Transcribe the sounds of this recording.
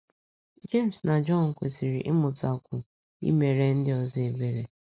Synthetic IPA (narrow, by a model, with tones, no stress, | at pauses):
d͡ʒe˦˨m̩˨sna˨d͡ʒɔ˦˨n̩˨kʷe˨si˨ɾi˨ʔɪ˦mʊ˨tʊ˨˦a˨kʷʊ˨ | ḭ˦me˨ɾe˦n̩˦dɪ˦ɔ˨zɪ˦e˨be˨ɾe˨